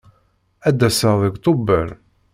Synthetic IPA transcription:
æd̪ːæsəðˤəɡt̪ˤobəɾ

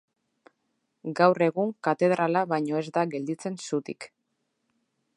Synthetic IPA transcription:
ɡawre̞ɣuŋkat̪e̞ð̞ɾalaβajɲo̞e̞zd̪aɣe̞ld̪it͡se̞nsut̪ḭk

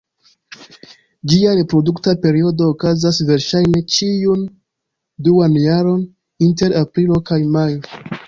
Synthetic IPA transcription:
d͡ʒiaɾe̞pɾo̞duktape̞ɾio̞do̞ːkazasve̞ɾʃajne̞t͡ʃiun | duanjaɾo̞n | inte̞ɾapɾilo̞kajmajo

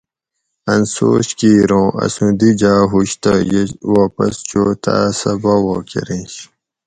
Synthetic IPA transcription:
ɐnso̰ːɕkiːɾõːʔɐ̰sũd̪id͡ʑaːɦuɕt̪ajewaːpɐst͡ɕot̪ʰa̰ːsɐbawoːkeɾĩɕ

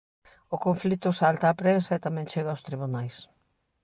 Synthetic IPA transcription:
ʊkoɱflit̪ʊsalt̪aːpɾensɐɪt̪amɛ̃ŋt͡ʃeɣawst̪ɾiβ̞unajs

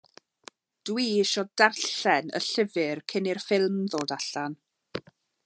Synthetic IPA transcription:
d̥wiːɪʃɔdarɬɛnə̰ɬɪvɨrkʰɪnɪrfɪlˠmðoːdaɬan

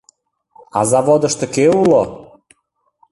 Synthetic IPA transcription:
ɑ̰zɑvod̪əʃt̪ɤkeulo

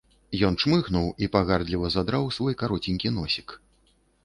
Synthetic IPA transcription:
jɔnʂmɨxnuwipaɣard̪lʲivɐzad̪ɾawsvɔjkaɾɔt͡sʲinʲkʲin̪ɔsʲik

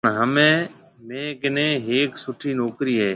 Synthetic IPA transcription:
ɳɦəmẽːmẽːɡɪnẽːɦeːksʊʈʰiːnoːkɾiːɦɛː

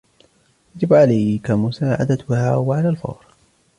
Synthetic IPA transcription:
jad͡ʒɪbʕalajkamʊsaːʕa̰d̪at̪haːwaʕalaːlfɑ̰wɾ

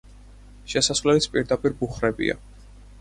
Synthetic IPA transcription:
ʃɛsasvlɛlit̪sʰpʼiɾd̪apʼiɾbuχɾɛbḭa̰

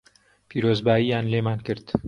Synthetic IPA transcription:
pʰiːɾoːzbaːjiːjaːnleːmaːnkɨɾt̪

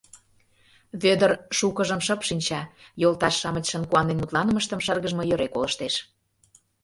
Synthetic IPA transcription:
βød̪ərʃukəʒəmʃəpʃinʲt͡ɕɑjolt̪ɑʃːɑmə̆t͡ɕʃə̆nkuɑnenut̪lˠɑnə̆məʃt̪əmʃərɣəʒmŏjøɾekoləʃt̪eʃ

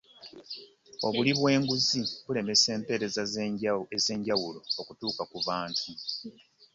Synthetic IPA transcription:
o̞βuliβwe̞ːŋɡuziβule̞me̞se̞ːmpe̞ːɾe̞zazeɟaeze̞ːɲɟawulo̞okutuːkakuβaːntʰu

